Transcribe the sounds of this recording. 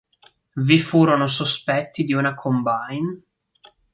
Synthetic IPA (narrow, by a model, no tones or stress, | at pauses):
vifuːɾonos̬ospɛt̪ːid̪iunakʰombajn